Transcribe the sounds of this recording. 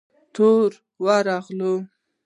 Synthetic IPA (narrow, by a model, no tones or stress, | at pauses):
t̪ʰoɾ | waɾaɣlo